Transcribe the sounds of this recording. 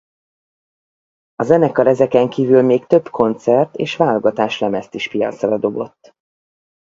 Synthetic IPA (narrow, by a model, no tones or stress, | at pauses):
ɒzɛnɛkɒɾɛzɛkɛŋkiːvylmeːkt̪ø̞bkʰo̞nt̪sɛrt̪eːʃvaːloɡɒt̪aːʃlɛmɛst̪iʃpijɒ̰t̪srɒd̪o̞bo̞̰t̪ː